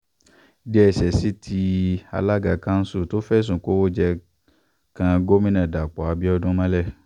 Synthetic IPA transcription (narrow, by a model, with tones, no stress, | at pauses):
dɛ˦ɛ˨sɛ˨si˦tʰi˧a̰˧la˦ɡa˨kã˦n̩˦su˦˨to˦fɛ˦˨s̬ũ˨ko˦wo˦d͡ʒɛ˧ | kã˧ɡo˦mĩ˦nã˦˨da˨k͡pɔ˨a˨bi˦ɔ˧dũ˦mã˦lɛ˦˨